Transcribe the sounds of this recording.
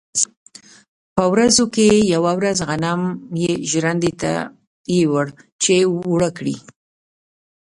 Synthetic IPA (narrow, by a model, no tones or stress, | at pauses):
pəwɾazokejawawɾazɣanamjeʒɾand̪et̪a̰ | jewəɽt͡ʃeɽəkɽḭ